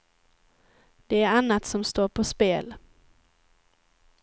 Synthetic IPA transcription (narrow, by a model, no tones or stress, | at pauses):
d̪̥ɛæɾanːat̪sɔmst̪oːɾpʰɔspeːl